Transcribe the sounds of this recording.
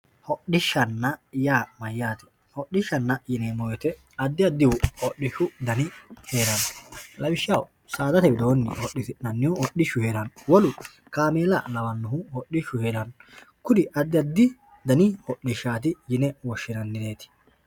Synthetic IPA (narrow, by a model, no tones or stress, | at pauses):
hɔɗɪʃːɐnːɐjaːmɐjːaːt̪ɪ̥ | hɔɗːɪʃːɐnːɐjɪnɛmɔjɛt̪ɛ | ɐd̪ːɪɐd̪ːɪwʊɔɗːɪʃʊd̪ɐnɪhe̞ːɾɐnlɐbɪʃːɐw | saːd̪ɐt̪ɛbɪd̪oːnːɪɔɗːɪtɪnɐnːɪwʊɔɗɪʃːʊheːɾɐnwɔlʊ | kaːmeːlɐlɐwɐnːʊɦʊhɔɗːɪʃʊheːɾɐn | kʊd̪ɪʔɐd̪ːɪɐd̪ːɪ | d̪ɐnɪhɔɗːɪʃːaːt̪ɪjɪnɛwɔʃːɪnɐnːɪne̞ːt̪ɪ̥